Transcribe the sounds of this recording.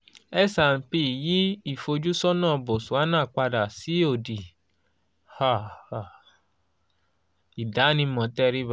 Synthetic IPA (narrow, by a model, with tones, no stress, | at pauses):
ɛ˦sa˨n̩˨pi˧˨ji˨˦i˦˨fo˧d͡ʒu˦sɔ˦nãː˦˨˧bo˨su˨a˦nãː˦˨k͡pa˧da˨si˨˦o˦˨di˨ | ha˦˨ha˨ | i˨da˨˦nĩ˧mɔ̃˨˦tɛ˦˧ɾi˦ba˦